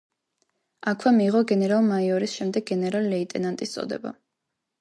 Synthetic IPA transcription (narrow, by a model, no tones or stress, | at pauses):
akʰwɛmiːʁɔɡɛnɛɾalˠmaiɔɾisʃɛmd̪ɛɡ̚ɡɛnɛɾallɛit̪ʼɛnant̪ʼist̪sʼɔ̰d̪ɛ̰ba̰